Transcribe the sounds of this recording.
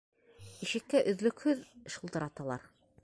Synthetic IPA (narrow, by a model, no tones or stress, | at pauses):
iʃɘ̆k̚k̪æʔɵ̆ðlɵ̆khɵðɘʃŭlˠt̪ɤ̆ɾɑt̪ɑlˠɑ̰ɾ